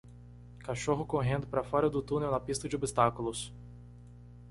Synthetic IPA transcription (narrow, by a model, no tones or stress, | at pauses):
kaʃoɦʊkoɦẽnd̪ʊpɾɐfɔɾɐd̪ʊt̪ũnewnɐpist̪ɐd͡ʒɪobist̪akʊlʊs